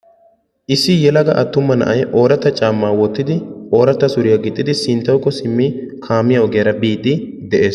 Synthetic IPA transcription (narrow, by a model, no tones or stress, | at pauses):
ʔɪsːɪjɛlɐɡɐʔɐt̪ːʊmːɐnɐ̰ʔɐjʔo̞ːɾɐt̪ːɐt͡ʃʼaːmːaːwɔt̪ːɪd̪ɪʔoːɾɐt̪ːɐsʊɾɪjɐɡɪt̪ʼːɪd̪ɪsɪnt̪ːɐwkʼːɔsɪmːikʰaːmːɪjɐɔɡɛjɐɾɐbiːd̪ɪ | d̪ɛʔe̞ːs